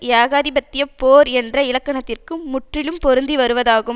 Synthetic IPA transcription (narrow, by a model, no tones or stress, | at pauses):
jaːɣaːðɪbɐt̪ːɪjɐpoːɾɛndrɐɪɭɐkːɐɳɐt̪ːɪrkɯːʊʈrɪlɯmpɔɾɯnd̪iʋɐɾɯʋɐðaːɣɯ